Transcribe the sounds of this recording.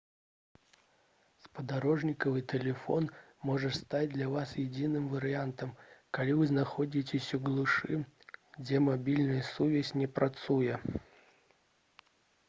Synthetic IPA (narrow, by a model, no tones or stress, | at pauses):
spəd̪ɐɾo̞ʐnʲɪkəvɨjt̪ʲɪlʲɪfo̞n | mo̞ʐɨt̪st̪at̚ʲd̪lʲavasjɪdʲinɨmvəɾʲɪant̪əmkɐlʲivɨznɐxodʲɪt̬ʲɪsʲʊɡlˠʊʂɨɡdʲemɐbʲilʲnɨjəsuvʲɪsʲnʲɪpɾʔɐt̪sujə